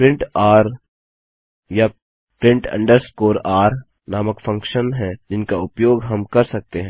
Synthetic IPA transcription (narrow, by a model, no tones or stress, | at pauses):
pɾɪ̃ɳʈaːɾ | ja | pɾɪ̃ɳʈɐ̰̃ɳɖəɾskoːɾaːɾ | naːməkfɐ̃ŋkʃənɦɛ̃d͡ʒɪnkaʊpjoːɡɦɐmkɐɾsɐk̚t̪eɦɛ̃ː